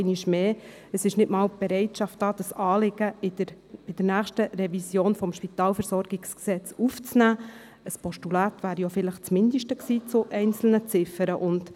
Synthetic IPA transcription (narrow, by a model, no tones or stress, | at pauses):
ɪniʃmeː | əsɪʃnɪtmɑːlb̥ɛɾɛɪtʃɑftd̥ɑːd̥̪ɑsɑːlɪɡ̥əɪdəɾ | b̥ɪd̥ənæːχʃtərɛvisjoːnfɔmʃpit̪ɑːlfɛɾsɔɾɡ̥ɪksksɛt͡suft͡snæː | əspɔʃtulæːt̪ʋæːɾijofɪləχt͡smɪnd̪əʃtəksiːt͡sʊʔɛɪnt͡sl̩nət͡sɪfəɾəʔʊnd